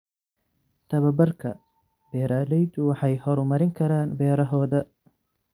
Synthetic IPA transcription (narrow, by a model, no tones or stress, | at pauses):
t̪ʰɐβɐbɐrkʰɐ̰ | bɛːɾaːlɛjd̪ʊwɑħɑjhɔɾʊmɐɾɪŋkʰɐɾaːnbɛːɾɐɦɔːðɐ